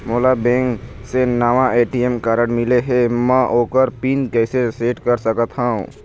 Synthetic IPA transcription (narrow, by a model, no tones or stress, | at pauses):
moːlabẽːŋksenaːʋãeːʈijemkaːɾəɽmɪleɦemɛ̃ʔoːkəɾpiːnkɛːseseːʈkəɾsəkət̪ɦaːṵ̃